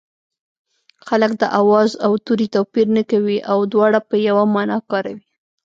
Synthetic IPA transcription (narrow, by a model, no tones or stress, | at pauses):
xaləkd̪əʔawɑzawt̪uɾit̪apiɾnəkawiʔawd̪wɑɽapəjawamɑnɑkɑɾawi